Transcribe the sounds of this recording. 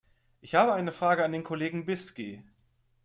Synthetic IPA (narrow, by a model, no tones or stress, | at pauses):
ʔɪçhaːbəaɪnəfʁ̥aːɡəandeːnkʰoleːɡŋ̩bɪski